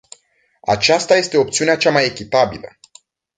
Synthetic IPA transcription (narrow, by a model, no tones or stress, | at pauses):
a̰t͡ʃast̪aje̞st̪e̞o̞p̚t̪siuneat͡ʃamaje̞kʲit̪abilə